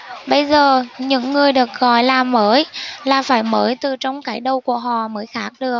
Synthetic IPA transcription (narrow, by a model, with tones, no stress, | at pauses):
ɓə˧jzəː˨˩ɲɨ̰˧˥ŋːɨ˨˩əjɗɨ˨˩ək̚ɣɔ̰˧˨jlaː˨˩məː˨˦jlaː˨˩faː˧˩jməː˨˦jt̪ɨ˨˩t͡ɕɔ˧wŋ͡mkaː˨˦˥jɗə˨˧˩wku˧˩əɦɔ̰˧˨məː˨˦jxaː˦˥k̚ɗɨ˨˩ək̚